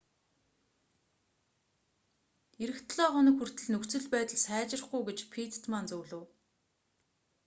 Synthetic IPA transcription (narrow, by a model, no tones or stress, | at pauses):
eɾɘ̆xt̪ʰɮɔːχɔnə̆kxur̥t̪ɘ̆ɮnɵkt͡sɘ̆ɮpæːt̪ə̆ɮsæːt͡ɕɪ̆r̆χɡujɡet͡ɕpʰit̪ʰt̪mant͡sɵwɮɘ̆w